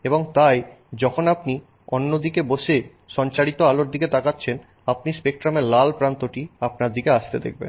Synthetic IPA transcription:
eboŋt̪aj | d͡ʑɔkʰonapni | o̰nːod̪ikeboʃe | ʃɔnt͡ɕaɾit̪oaloɾd̪iket̪akatːɕʰen | apnispek̚ʈɾameɾlalpɾant̪oʈiapnaɾd̪ikeaʃt̪ed̪ḛk̚ʰbḛn

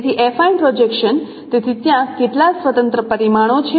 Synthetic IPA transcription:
t̪ʰiʔefainpɾod͡ʒekʃən | t̪et̪ʰit̪jãkeʈlasʋət̪ə̃nt̪ɾəpəɾimaɽ̃ot͡ʃʰe

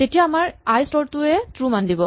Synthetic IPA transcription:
tetijaːmaɹajstɔɹtʊɛtɹumandibɔ

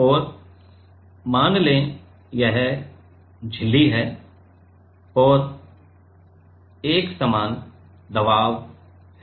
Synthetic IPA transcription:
ɔːɾ | maːnlẽ | jɛɦ | d͡ʒʱɪlːiɦɛː | ɔːɾ | eːksɐmaːn | d̪ɐʋaːʋ | ɦɛ

